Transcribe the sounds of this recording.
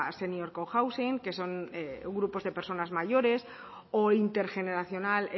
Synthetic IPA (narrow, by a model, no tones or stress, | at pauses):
senjoɾkowxawsiŋke̞so̞ŋeɣɾupo̞zðe̞pe̞ɾso̞nazmaʝo̞ɾe̞s | oint̪e̞ɾxe̞ne̞ɾaθjo̞nale